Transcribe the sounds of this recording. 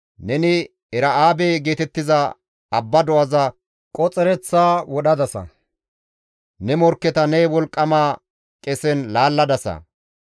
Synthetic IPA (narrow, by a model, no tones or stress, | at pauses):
nɛnɪ | ɛɾɐaːbeːɡe̞ːt̪ɛt̪ːɪzɐ | ɐbːɐd̪ɔʔɐzɐ | kʼɔt͡sʼɛɾɛt͡sːaːwɔɗɐd̪ɐsɐ̰ | nɛmɔɾkːɛt̪ɐnɛjwɔlkʼːɐmaː | kʼɛsɛnlaːlːɐd̪ɐsɐ̰